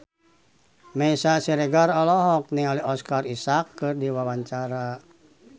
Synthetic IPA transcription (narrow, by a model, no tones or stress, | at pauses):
mɛisasiɾɛɡarɔlɔɦɔk̚niŋaliɔskarisakːɨrdiwawaɲt͡ʃaɾa